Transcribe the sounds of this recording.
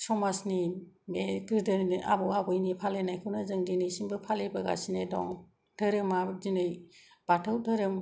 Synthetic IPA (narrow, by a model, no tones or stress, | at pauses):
sɔmasni | meɡɯɾdɯnniʔa̰bɔwabɔjnipʰalenajkʰɯwnazɯŋdinɯjsimbɯpʰalejbaɡa̰sinedɔ̰ŋ | d̥ɯɾɯmadinɯj | b̥atʰawdʰɯɾɯm